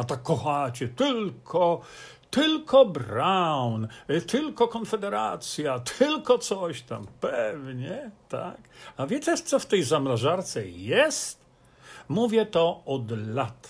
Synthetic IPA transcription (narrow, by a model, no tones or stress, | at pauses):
at̪akːɔxat͡ɕɛt̪ɘlkʰɔ | t̪ɘlkʰɔbɾawnt̪ʰɘlkɔkɔnfɛd̪ɛɾat̪sʲjat̪ʰɘlkɔt̪sɔɕt̪a̰mpɛvɲɛt̪a̰kavʲjɛt͡ɕɛʂt̪sɔft̪ɛjzamɾaʐaɾt̪sɛjɛst̪ | muvʲjɛt̪ɔɔd̪lat̪